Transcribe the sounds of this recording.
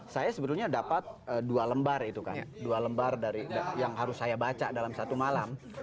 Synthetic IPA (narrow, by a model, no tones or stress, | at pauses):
sajasəbət̪uɲadapat̪̚əːdualəmbarit̪uka̰ndualəmbardaɾidajaŋɦaɾʊsːajabat͡ʃadalamsat̪umalam